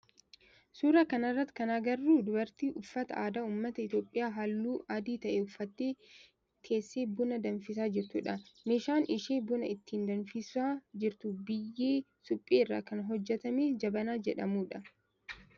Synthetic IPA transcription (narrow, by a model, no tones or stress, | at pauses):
suːɾɐkɐnɐrːɐt̪ːkɐnaːɡɐrːuːd̪ʊbɐɾt̪iːʔʊfːɐt̪ɐʔaːd̪aːuːmːɐt̪ɐɪt̪jo̞ːpʼːɪjaːɦɐlːuːʔaːd̪iːt̪ɐʔeʊfːɐt̪ːeː | kʰe̞ːsːeːbʊnɐd̪ɐnfɪs̬aːd͡ʒɪɾt̪ʊᶑɐmeːʃaːnɪʃeːbʊnɐɪt̪ːiːnd̪ɐnfɪsaːd͡ʒɪɾt̪ʊbɪjːeː | sʊpʼːeːɪrːa̰ːkɐnɦɔd͡ʒːɛt̪ɐmeːd͡ʒɐbɐnaːd͡ʒɛᶑɐmuːᶑɐ